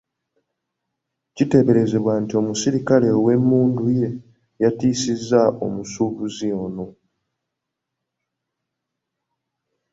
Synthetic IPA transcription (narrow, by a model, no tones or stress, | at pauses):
cite̞βe̞ɾe̞ze̞βwantio̞musiɾikale̞we̞mːuːnduje̞ | jatiːsizːaʔo̞̰musuːβuziono̞